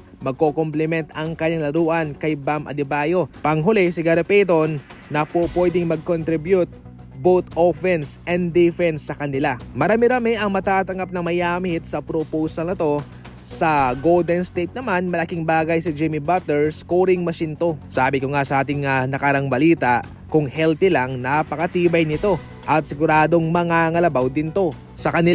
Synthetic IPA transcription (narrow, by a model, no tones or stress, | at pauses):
mɐɡ̚kokomplɛmɛnt̪ɐŋkɐɲːaŋlɐɾuːʔɐnkɐjbamʔɐ̰d̪ɪbaːjo̞pɐŋɦʊlɛsɪɡɐɾɐpɛt̪onːɐpopwɛd̪ɪŋmɐɡ̚kont̪ɾɪbjut̪̚ | bot̪ʔofɛnsʔɛnd̪d̪ɪfɛnsːɐkɐnɪlamɐɾaːmɪɾaːmɛʔɐŋmɐt̪aːt̪ɐŋɡap̚nɐŋmɐjaːmɪɪt̪̚sɐpɾopowsɐlnɐt̪o̞ | sɐɡowld̪ɛnst̪ejt̪̚nɐmanmɐlɐkɪŋbaːɡɐjsɪd͡ʒɛmibɐt̪ɛɹskoːɾɪŋmɐʃint̪o̞saːbɪkoŋasɐʔaːt̪̬ɪŋɐnɐkɐɾɐŋbɐliːt̪ɐʔ | kʊŋhɛlt̪ɪlɐŋnapɐkɐt̪iːbɐjnɪt̪o̞ | ʔɐt̪̚sɪɡʊɾaːd̪o̞ŋmɐŋaŋɐlɐbawd̪ɪnt̪o̞ | sɐkɐnɪl